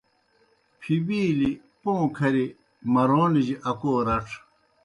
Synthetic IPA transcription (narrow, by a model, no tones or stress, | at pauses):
pʰibiːli | põːkʰɐɾi | mɐɾoːnid͡ʑiʔɐkoːɾɐʈ͡ʂʰ